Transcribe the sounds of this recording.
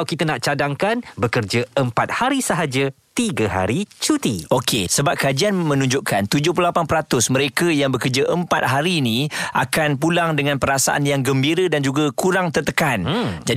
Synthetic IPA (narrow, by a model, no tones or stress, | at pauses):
wkit̪ənaʔt͡ʃadaŋkanbəkərd͡ʒəəmpat̪̚haɾisəɦad͡ʒə | t̪iɡəɦa̰ɾit͡ʃut̪iokʰesəbap̚kəad͡ʒianmə̃nũɲd͡ʒʊʔkant̪ud͡ʒʊhpulapanpəɾat̪ʊsməɾekajaŋbəkərd͡ʒaʔəmpat̪̚ɦaɾiːnĩʔa̰kanpulaŋdəŋãnpəɾasa̰ʔa̰njaŋɡəmbiɾədand͡ʒuɡakuɾaŋt̪ərt̪əkand͡ʒa